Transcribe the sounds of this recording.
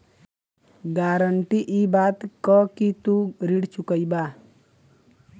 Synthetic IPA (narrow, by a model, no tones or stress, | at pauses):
ɡaːɾəɳʈiʔibaːt̪kɔkit̪uɾiɽt͡ʃukəibaː